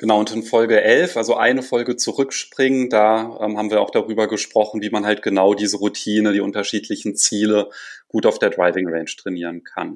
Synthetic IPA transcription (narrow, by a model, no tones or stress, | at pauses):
ɡ̥ənaʊʊntɪnfɔlɡəʔɛlfʔalzoʔa̰ɪnəfɔlɡət͡suʁʏkʃpʁ̥ɪŋəndaːʔɛ̰ːmɦaːbm̩viːɐaʊxd̥aʁyːbɐɡəʃpʁ̥ɔχn̩viːmanɦalt̚ɡ̥ənaʊdiːzəʁutʰiːnədiːʔʊntɐʃiːtʰlɪçn̩t͡siːləɡ̥uːtaʊfd̥eːɐdʁaɪvɪŋʁɛnʃtʁ̥ɛniːʁənkʰa̰n